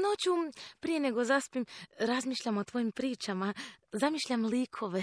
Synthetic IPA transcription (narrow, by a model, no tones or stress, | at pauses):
not͡ɕupɾije̞ne̞ɡo̞zaspimɾazmiːʃʎʲamot̪ʋo̞jimpɾiːt͡ʃamazamiːʃʎʲamliːkʰo̞ʋe